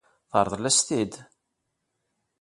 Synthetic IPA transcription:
θəɾˤðˤlæst̪id̪

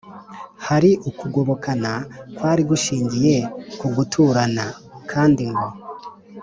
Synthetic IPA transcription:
haɾiʔukuɡo̞βo̞kʰanakwaːɾiɡuʃiːɲɟije̞kuɡutʰuɾanakʰaːndiŋɡo

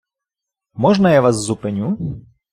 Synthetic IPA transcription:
mɔʐnɐjaʋazːupɛnʲu

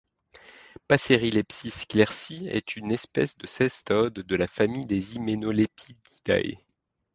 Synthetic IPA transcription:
paseʁilɛpsisklɛʁsiɛ̰t̪ʰynɛspɛ̰sd̪əsɛst̪ɔd̪ːəlafamijd̪ezimenolepʰid̪ɡid̪̥a̰j

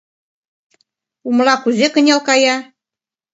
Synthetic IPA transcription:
umlɑkuzekə̆nʲelkɑjɑ

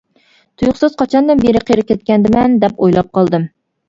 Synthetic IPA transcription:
t̪ʰujʊχsɨzqʰɑt͡ʃʰɑnd̪ɨnbeɾɪqʰeɾɪp̚kʲʰɛt̪̚kʲɛnd̪ɪmɛnd̪ɛpojlˠɑp̚qʰɑlˠd̪ɨm

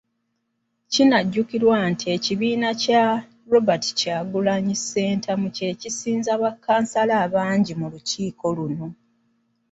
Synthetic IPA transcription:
cinaɟːukiɾwantie̞ciβiːnaca | ɾo̞bati̥caːɡulaɲise̞ːntʰamuce̞cisiːnzaβakːaːnsalaːβaːɲɟimuluciːko̞luno̞

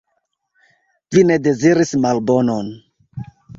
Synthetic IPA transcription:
vine̞de̞ziɾismalbo̞non

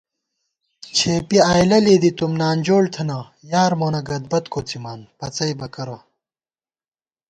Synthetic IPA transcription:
t͡ɕʰeːpiaːjlɐleːd̪it̪umnaːnd͡ʑoːɽt̪ʰɐnɐ | jaːɾmoːnɐɡɐd̪̚bɐt̪koːt͡simaːnpɐt͡sɐjbɐkɐɾo

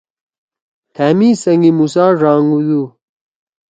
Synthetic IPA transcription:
t̪ʰaːmisɐŋɡimusaːʐaːŋɡud̪u

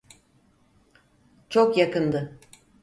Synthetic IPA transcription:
t͡ʃʰokjakɯnd̪ɯ

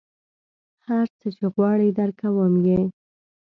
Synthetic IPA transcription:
haɾt͡sət͡ʃeɣwɑɽəd̪əɾkawəmje

